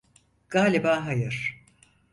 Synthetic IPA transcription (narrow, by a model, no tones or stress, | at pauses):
ɡ̥aːlʲibaːɦajɯɾ̥